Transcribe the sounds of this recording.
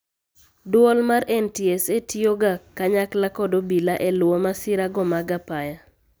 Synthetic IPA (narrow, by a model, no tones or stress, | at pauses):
dwɔlmaɾɛntiesetʰioɡakːaɲaklakɔdobilaʔɛlwɔmasɪɾaɡɔmaɡapaja